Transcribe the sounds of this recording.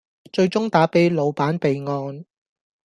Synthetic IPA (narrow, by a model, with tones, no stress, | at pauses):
t͡ʃɵ˧ɥt͡sʊ˥ŋt̪aː˨˥pe˨˥jlo˨˧wpaː˨˥npe˨jŋɔː˧n